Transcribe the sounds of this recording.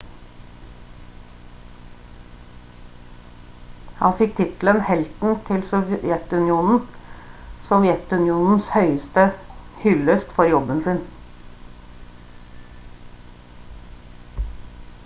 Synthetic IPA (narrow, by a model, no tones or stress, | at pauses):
hɑ̰nfɪk̚t̪ʰɪt̪l̩ənhɛlt̪n̩t̪ʰɪlsɔʋjɛt̪ʉnɪuːnn̩ | sɔʋjɛt̪ʉnɪuːnn̩shœʏəst̪əhʏləst̪fɔɾjɔbənsɪn